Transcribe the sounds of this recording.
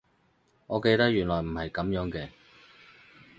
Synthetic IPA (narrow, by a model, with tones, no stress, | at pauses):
ŋɔː˨˧ke˧jt̪ɐ˥k̚jyː˨˩nlɔː˨˩jm̩˨˩hɐ˨jkɐ˨˥mjœː˨˥ŋkɛː˧